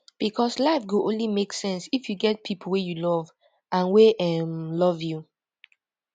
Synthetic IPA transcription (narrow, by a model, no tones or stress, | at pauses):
b̥ikʰɔslaɪfɡoʔõ̰nlimeksɛ̃nsifjuɡɛt̚pʰipʰl̩ˠwejulɔv | ʔãnweʔɛmlɔvju